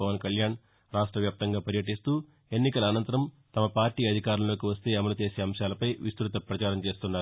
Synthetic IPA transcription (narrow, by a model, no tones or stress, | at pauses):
ɐʋɐnkɐljaːn | ɾaːʂʈɾɐʋjaːp̚t̪ɐŋɡaːpɐɾjɐʈ̬ist̪uː | e̞nːikɐlɐːnɐnt̪ɐɾɐm | t̪ɐmɐpaːɾʈiːɐd̪ʱikaːɾɐlo̞ːkiʋɐst̪e̞ːɐmɐlut͡ʃe̞ːseːɐmʂjaːlɐpɐjʋist̪ɾut̪ɐpɾɐt͡ʃaːɾɐmt͡ʃe̞ːst̪unːaːɾ